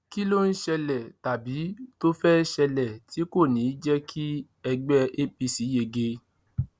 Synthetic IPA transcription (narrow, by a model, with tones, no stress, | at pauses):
ki˦lo˦n̩˦ʃɛ˧lɛ˨ta˨bi˨˦to˦fɛ˦ʃɛ˧lɛ˨ti˨˦ko˦˨nĩ˨˦d͡ʒɛ˦kʰi˦ | ɛ˧ɡ͡bɛ˦e˦pi˧si˨˦je˧˨ɡe˧